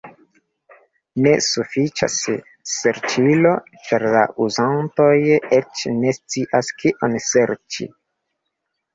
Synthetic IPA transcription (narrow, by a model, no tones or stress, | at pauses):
ne̞sufit͡ʃa̰se | se̞ɾt͡ʃilo̞ | t͡ʃaɾla̰ʔuzanto̞jet͡ʃne̞st͡siʔaskiʔonse̞ɾt͡ʃḭ